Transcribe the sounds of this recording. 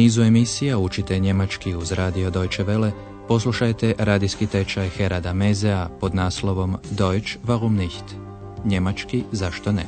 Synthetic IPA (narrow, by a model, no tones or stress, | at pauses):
niːzue̞misijaut͡ʃit̪eɲe̞mat͡ʃkiuzɾaːd̪io̞d̪o̞jt͡ʃeʋe̞le | po̞s̬lˠuʃajt̪e̞ʔɾaːd̪iskit̪e̞t͡ʃajxe̞ɾad̪amezeapo̞d̪naːslˠo̞ʋo̞md̪o̞jt͡ʃʋaɣumniçt̪ | ɲe̞mat͡ʃkizaʃt̪o̞nḛ